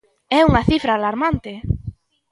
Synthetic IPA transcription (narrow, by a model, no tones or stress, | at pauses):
ɛuŋaθifɾaːlaɾmant̪e